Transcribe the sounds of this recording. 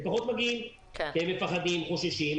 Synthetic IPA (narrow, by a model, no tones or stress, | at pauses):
epaχot̪maɡin | kemːefaχad̪imχoʃiʃim